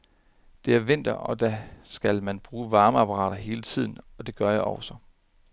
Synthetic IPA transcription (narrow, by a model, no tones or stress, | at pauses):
d̥e̝æɐʋe̝n̰d̥ɐɒ̽d̥æsɡ̥ælmænb̥ʁuːʋɑ̈ːməæpʰɑʁɑ̰̈ːɾ̥ɐɦe̝ːlət͡sʰið̞̰ˠn̩ɒ̽d̥e̝ɡ̥ɶɐjɑ̈ɪʔɒʊsɒ